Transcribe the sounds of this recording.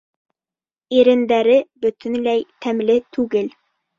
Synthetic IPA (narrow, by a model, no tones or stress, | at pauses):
iɾɘ̆nd̪æɾɘbɵ̆t̪ɵ̆nlæjt̪ʰæmlɘt̪ʰʉɡɘl